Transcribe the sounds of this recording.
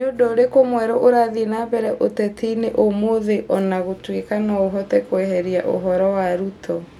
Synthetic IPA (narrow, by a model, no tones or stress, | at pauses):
ɲodɔoɾekomwɛɾɔʔoɾaðinabɛɾɛʔotɛtiːneʔomoðeʔɔnaɣotwekanaoɦɔtɛkoɛɦɛɾiaʔo̰ɦɔɾɔwaɾutʰɔ